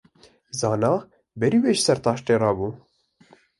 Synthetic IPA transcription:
zɑːnɑː | bɛɾiːweːʒsɛɾt̪ɑːʃt̪eːrɑːbuː

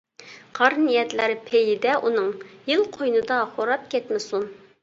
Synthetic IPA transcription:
qʰɑɾnijɛt̪lɪɾpʰejɪd̪ɛʔunɨŋjɪlˠqʰojnɨd̪ɑχoɾɑt̪̚kʲʰɛt̪mɪsun

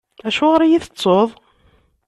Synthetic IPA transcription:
æʃʊʁəɾijiθət͡sˤːoðˤ

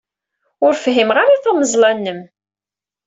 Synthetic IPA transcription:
ʊɾfɦimʁaɾaθæməzˤlɑnːəm

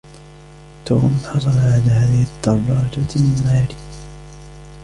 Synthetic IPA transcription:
t̪oːmħɑsˤɑlʕad̪ahaːðɪhɪd̪ːɑbɾˤɑɑd͡ʒaaːɾi

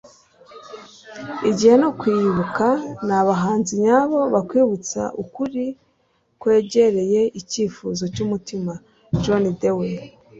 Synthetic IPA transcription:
iɟihe̞nokwiβukanaβaɦaːnziɲaβo̞βakwiːβut͡sa̰ʔukuɾi | kwe̞ːɟe̞ɾe̞je̞ʔiciːfuzo̞cumutima | d͡ʒonidewe

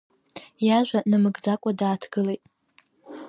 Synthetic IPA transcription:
jaʒᶣʷanɨmɨɡd͡zakʷʼadaːtʰɡ̥ɨlejtʼ

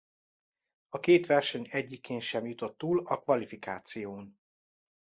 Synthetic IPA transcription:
ɒkeːt̪ʋɛrʃɛɲɛɟːikeːnʃɛmjut̪o̞t̪ːuːlɒkʋvɒlifikaːt̪sijoːn

